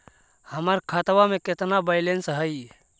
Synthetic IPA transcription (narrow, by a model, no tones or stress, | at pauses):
həməɾkʰət̪wameket̪nabəɪlensɦəj